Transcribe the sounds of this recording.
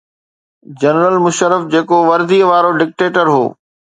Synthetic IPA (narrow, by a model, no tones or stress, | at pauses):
d͡ʑɐnɾəlmʊʃəɾəfd͡ʑeːkoʋɐɾd̪iːəʋaːɾoɖɪk̚ʈeːʈəɾɦo̰ː